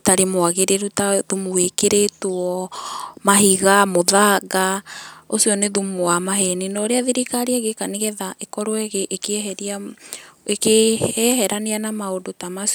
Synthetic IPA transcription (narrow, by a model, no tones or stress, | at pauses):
taɾemoaɣeɾeɾutaðumuwekeɾetwɔmaɦiɣamoðaɡaosiɔneðumowamaɦɛninɔɾeaðiɾikaɾiaɣekaneɣɛðaʔekɔɾoɛɣeʔːkeɛɦɛɾia | ekeɛhɛɾaneanamaodotamas